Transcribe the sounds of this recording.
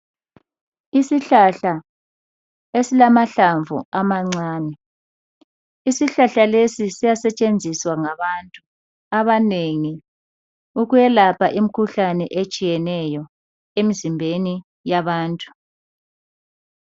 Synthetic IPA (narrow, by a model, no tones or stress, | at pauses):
isiɬaɬa | esilamaɬaɱvʱṵamaŋ͡ǀaːnɛ | isiɬaɬalesisijasɛt͡ʃʼend͡zʱiswaŋaβantʼu | aβaneŋi | uɣujɛlapʰaʔim̩kʰuɬanɛʔet͡ʃʼijɛnɛjɔ | emizimbʱeni | jaβaːntʼu̥